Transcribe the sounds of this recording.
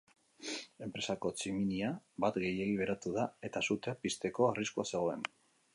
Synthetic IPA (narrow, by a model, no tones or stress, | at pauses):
e̞mpɾe̞sako̞t͡siminiabat̪ɣe̞jeiβe̞ɾat̪uðae̞t̪asut̪eapist̪e̞ko̞ariskuase̞ɣ̞o̞e̞n